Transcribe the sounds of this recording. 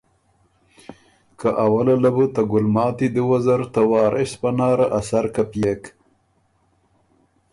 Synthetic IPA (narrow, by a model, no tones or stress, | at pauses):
kaʔawalalabət̪aɡʊlmɑːt̪id̪əwazaɾt̪awɑːɾʔɪspanɑːɾaʔasaɾkapjek